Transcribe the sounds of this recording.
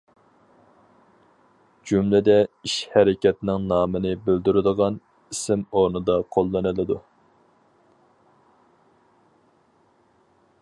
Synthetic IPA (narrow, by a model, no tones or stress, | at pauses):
d͡ʒumlɪd̪ɛiʃhɛɾɪkʲɛt̪nɪŋnɑːmɨnɨbyld̪yɾɪd̪əʁɑn | isɪmoɾnɨd̪ɑqʰolˠːɑnɨlˠɨd̪u